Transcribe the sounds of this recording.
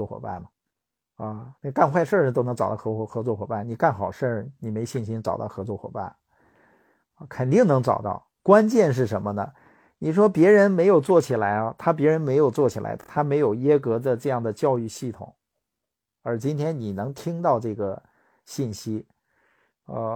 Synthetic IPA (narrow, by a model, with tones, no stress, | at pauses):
ɔ˥˩xwɔ̰˨˩ba̰˥˩nmɐ˩ | ɐ˥˧n˧ka˥˧nxwa˥˧ɪʂə˞˥˧ʂt̪o˥ʊn˧˥ŋʈ͡ʂɑ˨˩t̪ɑ˥˩˧xxɤ˧˥t͡swɔ˥˩xwɔ˨˩ba˥˩ni˨˩ka˥˩nxɑ˨˩ʊʂə˞˥˩ni˨˩me˧˥ɪɕi˥˩nɕi˥nʈ͡ʂɑ˨˩ʊt̪ɑ̰˥˩ʊxɤ˧˥t͡swɔ˥˩xwɔ̰˨˩ba̰˥˩n˧˩ | kʰə˨˩nt̪i˥˩ŋnɤ˧˥ŋʈ͡ʂɑ̰˨˩ʊt̪ɑ̰˥˩ʊ | kwa˥nt͡ɕjɛ˥˧nʂ̬ɻ̩˥˩ʂə˧˥nmə˧nə̰˩ | ni˨˩ʂwɔ˥pjɛ˧˥ɻə˧˥nme˧˥ɪjo˨˩ʊt͡swɔ˥˩t͡ɕʰi˨˩la˧˥ɪɐ˧t̪ʰa˥p̬jɛ˧˥ɻə˧˥nme˧˥ɪjo˨˩ʊt͡swɔ˥˩t͡ɕʰi˨˩lʔa̰˧˥ɪt̪ʰa˥me˧˥ɪjo˨˩ʊjɛ˥kɤ˧˥d̪ə˧ʈ͡ʂɤ˥˧jɑ˥˩ŋd̪ə˩t͡ɕjɑ˥˧ʊy˥˧ɕi˥˩t̪ʰʊ̰˨˩˦ŋ | ə˞˧˥t͡ɕi˥nt̪ʰjɛ˥nni˨˩nɤ˧˥ŋt̪ʰi˥ŋt̪ɑ˥˧ʊʈ͡ʂɤ˥˩ɡə˩ | ɕi˥˩nɕi˥ | ə̰˥˧